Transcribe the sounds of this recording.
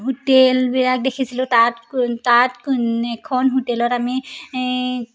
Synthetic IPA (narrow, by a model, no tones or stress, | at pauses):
ɦutelbilak̚dekʰisilʊtattatɛkʰɔnɦutɛlɔtami